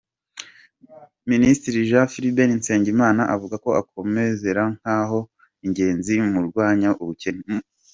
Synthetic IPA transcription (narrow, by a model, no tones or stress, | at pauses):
ministiɾiʒafiɾibeninse̞ːɲɟimaːnaʔavuɡako̞ako̞me̞ze̞ɾaŋ̥haːɦo̞ | iɲɟe̞ːnzimuɾɡwaːɲaʔuβuceɲ